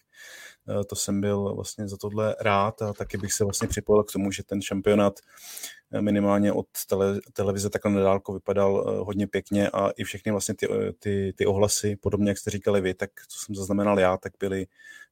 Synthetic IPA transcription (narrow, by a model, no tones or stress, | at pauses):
t̪o̞sɛmbɪlvla̰st̪ɲɛzat̪odlɛɾaːt̪at̪akɪbɪxsɛvlastɲɛpr̥ɪpo̞jɪlkt̪o̞muʒɛt̪ɛnʃampɪo̞naːt̪ | mɪnɪmaːlɲɛʔo̞̰t̪ːɛlːɛlɛvɪzɛt̪aklɛnadaːlkovɪpadalɦo̞dɲɛpjɛkɲɛʔa̰ʔɪfʃɛxnɪvlast̪ɲɛt̪ɪt̪ɪt̪ɪʔo̞ɦlasɪpodo̞bɲɛjakst̪ɛɾiːkalɪvɪt̪ak̚t͡so̥sɛmzaznamɛnaljaːt̪aɡ̚bɪlɪ